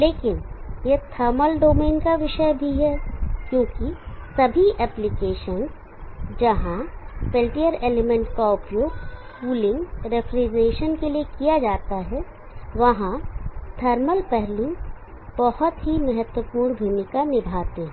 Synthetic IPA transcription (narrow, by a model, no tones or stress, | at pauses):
leːkɪnjet̪ʰəɾməlɖoːmeːnkaʋɪʃəjbʱiɦɛːkjõːkisɐbʱiʔɛːplɪkeːʃən | d͡ʒɐɦãpeːlʈijəɾeːlemɛ̃ɳʈkaʊpjoːɡpuːlɪ̃ŋɡɾepʰɾeːd͡ʒɾeːʃənkeliekijad͡ʒaːt̪aɦɛ | ʋɐɦãt̪ʰɐɾməlpɛɦlu | bɐhʊt̪ɦimɐɦət̪wəpuːɽ̃bʱemɪkanɪbʱaːt̪eɦɛ̃